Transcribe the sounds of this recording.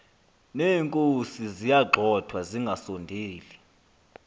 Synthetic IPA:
neːŋkʼosizijaɡ͡ǃʱɔd̥ʰʱwaziŋɡʱasondʱiːli

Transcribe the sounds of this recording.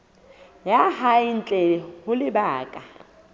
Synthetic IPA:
jahaɪn̩t͡ɬʼɛhʊlɪbaːkʼa

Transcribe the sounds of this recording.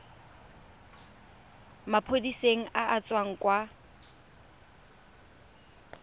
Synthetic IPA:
mapʰodiseŋ̩ʔaʔat͡sʼwaŋ̩kʼwa

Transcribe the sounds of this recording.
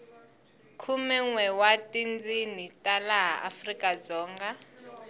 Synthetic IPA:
kʰumɛŋwɛwatʼind͡zinitʼalaɦaʔafrikʼad͡zɔːŋɡa

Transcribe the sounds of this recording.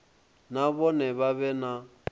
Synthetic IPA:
naβɔnɛβaβɛna

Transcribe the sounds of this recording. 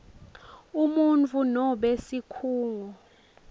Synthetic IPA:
umunt͡fʰunɔɓesikʰuːlu

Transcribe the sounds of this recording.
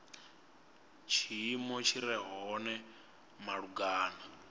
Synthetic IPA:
t͡ʃʰimɔt͡ʃʰiɾɛɦɔnɛ | maɺuɡaːna

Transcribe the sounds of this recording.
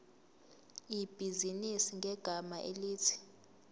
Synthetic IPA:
ib̥ʱizinisiŋɡʱɛɡ̥ʱamaʔeliːtʰi̥

